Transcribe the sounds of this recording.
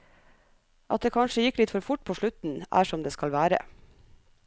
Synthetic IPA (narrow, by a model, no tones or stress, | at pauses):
ʔɑt̪̚d̪eːkʰɑnʂəjɪkːlɪt̪fɔɾfʊʈ̚pʰoːʃɭʉt̪n̩ʔæ̰ːʂɔmd̪eːskɑlʋæːɾə̰